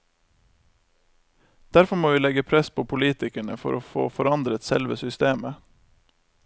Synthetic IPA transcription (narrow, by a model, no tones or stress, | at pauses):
d̪̥æɾfɔmoːʋiːlɛɡəpʰɾɛspʰoːpʰʊliːt̪ɪkæɳəfɔ̰ɾʔoːfo̰ːfɔɾɑnd̪ɾət̪sɛ̰lʋəsʏst̪eːmə